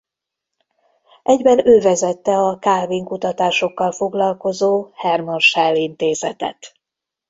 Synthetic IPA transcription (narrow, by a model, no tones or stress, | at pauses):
ʔɛɟbɛnøːvɛzɛt̪ːɛɒkaːlviŋkut̪ɒt̪aːʃo̞kːɒlfo̞ɡlɒlko̞zoːhɛrmonʃɛlːint̪eːzɛt̪ɛ̰t̪